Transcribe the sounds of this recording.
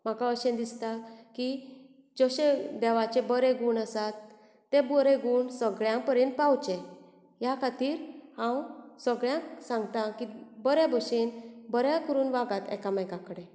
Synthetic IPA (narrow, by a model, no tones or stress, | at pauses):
m̤akaəɕend̪ist̪aki | d͡zəɕẽd̪ɛʋat͡ɕẽbəɾeɡuːɳəsat̪ː | ebɔɾeɡuɳsəɡɭjãpəɾjẽnt̪̚pawt͡ɕẽ | jakʰat̪iːɾhãwsəɡɭjãksãŋɡt̪ãkibəɾebɔɕenbəɾjãkəɾuːnʋaɡat̪ɛ̰kamajkãkəɽe